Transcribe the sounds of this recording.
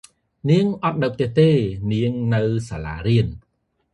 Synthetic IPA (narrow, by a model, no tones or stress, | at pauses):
niəŋʔɑt̪̚ɗəwp̚ʰt̪eəht̪eːniəŋnɨwsaːla̰ːɾiən